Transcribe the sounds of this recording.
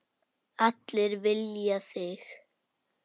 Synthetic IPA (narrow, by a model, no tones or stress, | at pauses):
at̪lɪɾvɪljaθɪx